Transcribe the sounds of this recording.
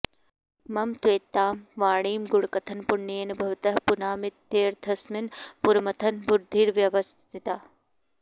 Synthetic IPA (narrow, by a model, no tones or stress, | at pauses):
mɐmt̪weːt̪ːaːmʋaːɽiːmɡʊɽkɐt̪ʰɐnpʊɳːienɐbʱɐʋt̪ɐɦpʊnaːmɪt̪ːeːɾd̪ʰʱɐsmɪnpuɾmɐt̪ʰɐnbʊɾd̪ʱːiːɾʋjɐʋɐst̪ʰt̪ʰɪt̪aː